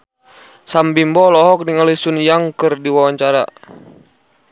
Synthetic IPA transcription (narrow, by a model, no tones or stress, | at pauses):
sambimbɔlɔɦɔk̚niŋalisunjaŋkɨrdiwawaɲt͡ʃaɾa